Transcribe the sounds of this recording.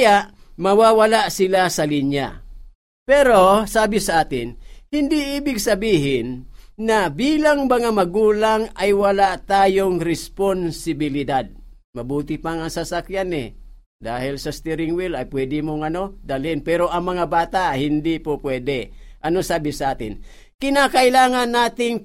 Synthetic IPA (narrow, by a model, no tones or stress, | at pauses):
jaʔmɐwawalaʔsɪlasɐliɲja̰ | pɛɾo̞saːbɪsɐʔaːt̪ɪnhɪnd̪iiːbɪɡ̚sɐbiːɦɪnːɐbiːlaŋmɐŋamɐɡuːlaŋajwɐlaʔt̪aːjoŋɾɛsponsɪbɪlɪd̪ad̪̚ | mɐbuːt̪ɪpaŋɐŋsasakjanɛ̰ | d̪aːhɪlsɐst̪ɛɾɪŋwilɐjpwɛːd̪ɪmoŋɐno̞d̪ɐlɪnpɛɾo̞ʔɐŋmɐŋabaːt̪ahɪnd̪ipopwɛːd̪ɛʔɐno̞saːbɪsɐʔaːt̪ɪn | kɪnakɐʔɪlaːŋanːaːt̪ɪŋ